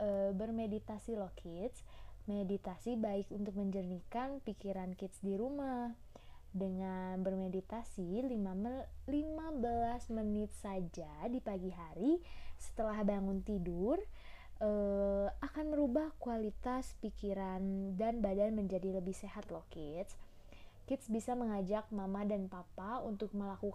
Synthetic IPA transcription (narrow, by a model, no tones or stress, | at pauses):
ʔəbərmedit̪asilohkʰɪt̪smedit̪asibaɪkunt̪ʊk̚məɲd͡ʒərnikanpikiɾankɪt̪sdiɾumah | dəŋanbərmedit̪asilimalimabəlasmənɪt̪̚sad͡ʒadipaɡiɦaɾisə̥t̪əlahbaŋʊnt̪idʊr | ʔəakanməɾubahkualit̪aspikiɾandanbadanməɲd͡ʒadiləbɪhseɦat̪lɔhkɪt̪s | kɪt̪sbisaməŋad͡ʒak̚mamadanpapaunt̪ʊk̚məlakuk